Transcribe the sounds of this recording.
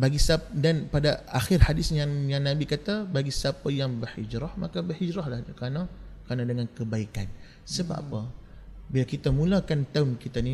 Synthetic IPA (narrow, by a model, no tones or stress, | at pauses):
baɡisadanpadaaxɪrhadɪsjaŋjaŋnabikat̪abaɡisapajaŋbərhid͡ʒɾahma̰kabərhid͡ʒɾahlahkanakɾanadəŋankəbaikan | səba̰pa | bilakit̪amulakant̪aʊnkit̪ani